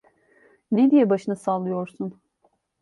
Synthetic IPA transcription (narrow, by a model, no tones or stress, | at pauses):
ned̪ijɛbaʃɯnɯsaːlˠːɯjo̞ɾsun